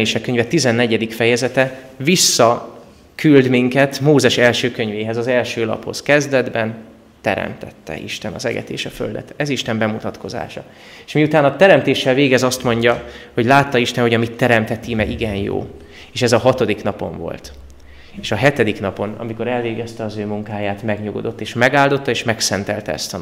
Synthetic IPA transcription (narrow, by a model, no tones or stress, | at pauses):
eːʃɛkːøɲvɛt̪izɛnːɛɟɛd̪ikfɛjɛzɛt̪ɛ | visːɒ | kyld̪miŋkɛt̪moːzɛʃɛlʃøːkøɲveːɦɛzɒzɛlʃøːlɒ̰pho̞̰skɛzd̪ɛd̪bɛn | t̪ɛ̰ɾɛ̰mt̪ɛ̰t̪ːɛ̰ʔḭʃt̪ɛnɒ̰zɛ̰ɡɛ̰t̪ḛːʃɒfø̰ld̪ɛ̰t̪ɛziʃt̪ɛmbɛmut̪ɒt̪ko̞za̰ːʃɒ̰ | eːʃmiut̪aːnɒt̪ɛɾɛmt̪eːʃːɛlveːɡɛzɒst̪mo̞ɲɟɒho̞ɟlaːt̪ːɒiʃt̪ɛnho̞ɟɒmit̪ːɛɾɛmt̪ɛt̪imɛɡiɡɛnjo̰ː | eːʃɛzɒɦɒt̪o̞d̪iknɒpo̞̰ɱvo̞̰lt̪ | eːʃɒɦɛt̪ɛd̪ikn̪ɒpo̞nɒ̰miko̞ɾɛlveːɡɛst̪ɛɒzøːmuŋkaːjaːt̪mɛɡɲoɡo̰d̪o̞t̪ːeːʃmɛɡaːld̪o̞t̪ːɒeːʃmɛksɛnt̪ɛlt̪ɛɛ̰st̪ɒ